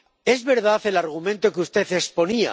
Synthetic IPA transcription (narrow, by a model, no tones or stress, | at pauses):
e̞zβe̞ɾðaθe̞laɾɣ̞umẽnt̪okeust̪e̞θespo̞nia̰